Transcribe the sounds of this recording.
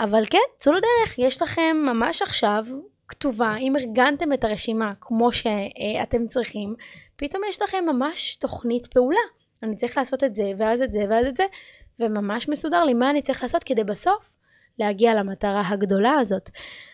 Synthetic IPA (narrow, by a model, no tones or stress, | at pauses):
ʔavalkent͡suladeʁeχjeʃlaχe̞mːamaʃaχʃavktuvaimeʁɡante̞metaʁe̞ʃimakmo̞ʃe̞ate̞mt͡sʁiχimpito̞mjeʃlaχe̞mːamaʃto̞χnitpeula | anit͡saʁiχlaːso̞tetze̞veazetze̞veazetzevemamaʃmesudaʁlimaːnitt͡saʁiχlaːso̞tkedejbaso̞f | lehaɡialamataʁaɦaɡdo̞laːzo̞t